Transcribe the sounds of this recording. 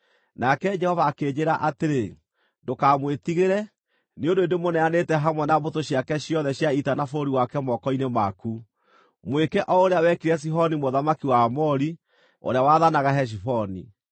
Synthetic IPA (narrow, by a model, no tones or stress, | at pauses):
nakɛd͡ʒɛhɔvaːked͡ʑeɾaʔateɾe | ndokaːmwetiɣeɾɛ | neondoendemonɛanetɛɦamwɛnaβotoɕjakɛɕjɔðɛɕjaitanafoɾiwakɛmɔkɔinemaku | mwekɛʔɔoɾeawɛkiɾɛs̬iɦɔnimoðamakiwaːmɔɾi | o̰ɾeawaðanaɣaɦɛʃ̬ifɔnḭ